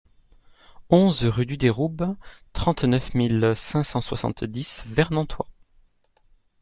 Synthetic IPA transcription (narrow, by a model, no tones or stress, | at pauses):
ɔ̃zʁyd̪yd̪eʁubt̪χɑ̃t̪nœfmilsɛ̃sɑ̃swa̰sɑ̰̃t̪d̪isvɛʁnɑ̃t̪ʰwa